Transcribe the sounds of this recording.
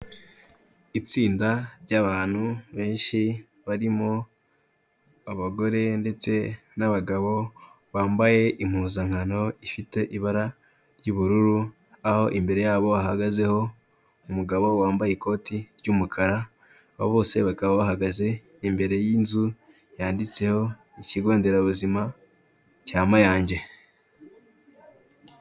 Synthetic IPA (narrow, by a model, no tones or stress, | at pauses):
it͡siːndaɾɟaβaːn̥huβe̞ːnʃi | βaɾimo̞ | aβaɡo̞ɾe̞nde̞t͡se̞ | naβaɡaβo̞ | βaːmbaje̞ʔim̥huːzaŋ̥ano̞ifite̞ʔiβaɾa | ɾɟuβuɾuɾu | aho̞ʔimbe̞ɾe̞jaːβo̞ahaɡaze̞ho̞ | umuɡaβo̞waːmbajeko̞ːtiɾɟumukʰaɾaː | hoβo̞ːse̞βakaβaβahaɡaze̞ | imbe̞ɾe̞jiːnzu | jaːndit͡se̞ho̞ | iciɡo̞ːnde̞ɾaβuzima | caːmajaːɲɟe̞